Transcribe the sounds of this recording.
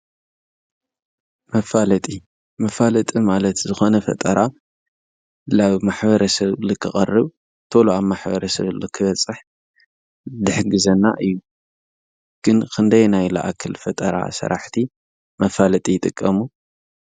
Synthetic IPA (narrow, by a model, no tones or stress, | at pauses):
mɐfalɐt̪ʼi | mɐfalɐt̪ʼimalɐt̪zɨxo̞nɐfɐ̰t̪ʼɐɾa | laβmaħbɐɾɐsɐβlɨkʰːɨχʼɐrːɨβ | t̪ʰoloaβmaħbɐɾɐsɐβlokʰɨβɐt͡sʼːɨħ | d̪ɨħɡɨzɐnːa̰ʔɨjːu | ɡ̥ɨnkʰɨnd̪ɐjnajla̰ʔakʰɨlfɐt̪ʼɐɾa̰sɐ̰ɾaħt̪ʰi | mɐfalɐt̪ʼijt̪ʼɨkʼːɐmu